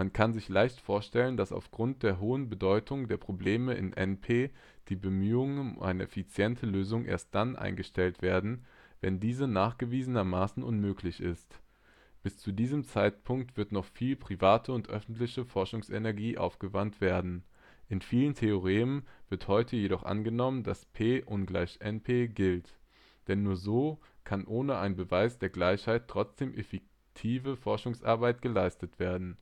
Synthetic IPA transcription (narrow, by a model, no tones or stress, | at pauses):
mankʰanzɪçlaɪçtfoːɐʃtɛləndasa̰ʊfɡ̥ʁʊnt̚d̥eːɐɦoːənbədɔʏtʰʊŋdeːɐpʁ̥obleːməʔɪ̰nʔɛ̰npʰeː | d̥iːbəmyːʊŋəənʔa̰ɪnəʔɛ̰fit͡sjɛntʰəløːzʊŋʔḛɐst̚d̥anʔa̰ɪnɡəʃtɛltv̥eːɐdn̩vɛndiːzənaːχɡ̥əviːzənɐmaːsn̩ʔʊnmøːklɪçɪst | b̥ɪst͡sudiːzəmt͡saɪt̚pʰʊŋk̚tv̥ɪɐtnɔχfiːlpʁ̥ivaːtʰəʊntʔœ̰fn̩tlɪçəfɔɐʃʊŋsenɛɐɡiːʔa̰ʊfɡ̥əvantv̥eːɐdn̩ | ʔɪnfiːləntʰeoʁ̞eːənv̥ɪɐthɔʏtʰəjeɾɔχʔa̰nɡənɔməndaspʰeːʔʊnɡlaɪçʔɛnpʰeːɡɪlt | d̥ɛnːuːɐzoːkʰanʔoːnəaɪnbəvaɪsd̥eːɐɡlaɪçhaɪtʁ̥ɔt͡sd̥eːmʔefɛk̚ | tʰiːvəfɔɐʃʊŋsʔa̰ɐbaɪt̚ɡ̥əlaɪstətv̥eːɐdn̩